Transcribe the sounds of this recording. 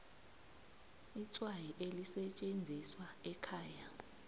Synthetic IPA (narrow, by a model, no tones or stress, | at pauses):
it͡sʼwajiʔelisɛt͡ʃʼend͡zʱiswaɛkʰaːja